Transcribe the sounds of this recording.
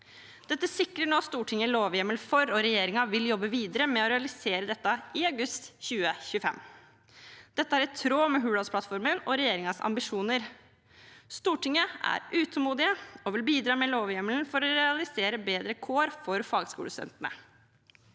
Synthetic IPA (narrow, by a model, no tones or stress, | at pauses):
d̪̥ɛt̪ːəsɪkɾəɳoːst̪uːʈʰɪŋəloːʋjɛməlfɔɾɔɾɛjeːɾɪŋɑʋɪljɔbːəʋiːd̪əɾəmɛɔɾɛɑlɪseːɾəd̪ɛt̪ːɑɪɑʉɡʉst̪çʉːəçʉəfɛ̰mː | d̪̥ɛt̪ːəæːɾɛt̪ʰɾoːmɛɦʉːɽɑspʰlɑt̪fɔɾmənɔɾɛjeːɾɪŋɑsɑ̰mbɪʂuːnəɾ | st̪uːʈɪŋːəæ̰ɾʔʉːt̪ʰəmuːd̪ɪəɔʋɪlbiːd̪ɾɑːmɛloːʋjɛməlnfɔɾɔɾɛɑlɪseːɾəbeːd̪ɾəkʰoːɾfɔɾfɑːɡskṵːləsœ̰nt̪nə̰